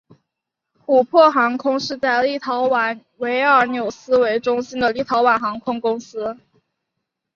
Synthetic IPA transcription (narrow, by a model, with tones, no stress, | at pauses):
xu˨˩pʰwɔ˥˩xɑ˧˥ŋkʰʊ˥ŋʂɻ̩˥˧t͡sa˥˧ɪli˥˩t̪ʰɑ˧˥ʊwa˨˩˦n | we˧˥ɪə˞˨˩˥njo˨˩ʊsɹ̩˥we˧˥ɪʈ͡ʂʊ˥ŋɕi˥nd̪ə˨li˥˩t̪ʰɑ˧˥ʊwa˨˩nxɑ˧˥ŋkʰʊ˥ŋkʊ˥ŋsɹ̩˥